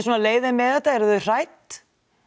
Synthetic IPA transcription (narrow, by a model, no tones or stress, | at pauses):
sɔnaleːjðɪmɛðɛt̪aɛɾðʏr̥ajt̪